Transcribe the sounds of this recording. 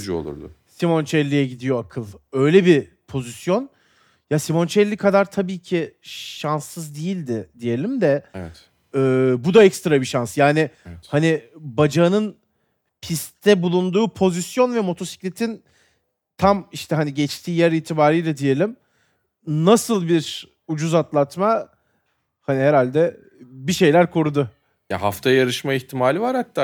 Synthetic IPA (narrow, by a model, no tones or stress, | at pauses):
d͡ʒuo̰lˠṵɾd̪ʊ̰simo̞nt͡ʃʰɛlʲːijɛɟid̪ijo̞akʰɯlˠø̞jlʲɛbi | pʰo̞zisjo̞n | jasimo̞nt͡ʃʰɛlʲːikʰad̪aɾt̪ʰabiːcʰiʃansːɯzd̪ijilʲd̪ɪd̪ije̞lʲimd̪ɛɛt̪ | ɛːbud̪aɛcst̪ɾabiʃansjaːnɪhanɪbad͡ʒaɯnɯn | pʰist̪ʰɛbulˠund̪uːpʰo̞zisjo̞nvɛmo̞t̪ʰo̞si̥clʲet̪ʰin | t̪ʰamiʃt̪ʰɛɦaniɟɛt͡ʃt̪ʰiːjæɾiːt̪ʰibaːɾijlʲad̪ije̞lʲim | nasɯlˠbiɾ | ud͡ʒuzat̪lˠat̪ma | haniɦeɾalʲd̪ɛ | biʃe̞jlʲæɾkʰo̞ɾud̪ʊ | ja̰ɦaft̪ʰajajaɾɯʃmaiçt̪ʰimaːlʲivaɾhat̪ʰːaː